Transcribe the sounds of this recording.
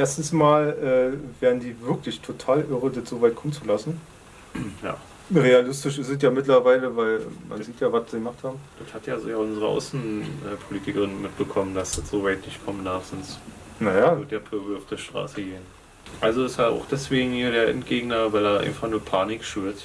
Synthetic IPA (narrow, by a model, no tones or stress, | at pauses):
ʔeːɐstn̩smaːlʔɛːveːʁndiːvɪɐklɪçtʰotʰaːlʔɪʁədətz̥oːvaɪt̚kʰɔmənt͡sulasn̩ | ja̰ː | ʁealɪstɪʃɪsɛt̬jaːmɪtlɐvaɪləvaɪlmʔa̰nziːtjaːvasz̥iːɡəmaχthaːbm̩d̥əthatjaːzoɡaːʔʊnzəʁəʔa̰ʊsn̩ʔɛːpʰoliːtɪkɐʁɪnmɪt̚b̥əkʰɔməndasd̥ɐtz̥oːvaɪtnɪçtkʰɔmnd̥aɐfz̥ɔns | najaːoːdeːɐpʰøɐblʊfd̥eʃtʁ̥a̰ːsəɡeːən | ʔalzoɪsaʔa̰ʊχd̥ɛsv̥eːɡŋ̩hiːɐdeːɐʔɛ̰nt̚ɡ̥eːɡnɐvaɪlaːʔa̰ɪnfaχnuːɐpʰaːnɪkʃyɐt